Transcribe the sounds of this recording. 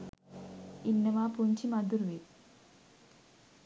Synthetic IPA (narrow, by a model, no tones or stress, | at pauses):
inːɐmaːpuɲt͡ʃimɐd̪uɾʋit̪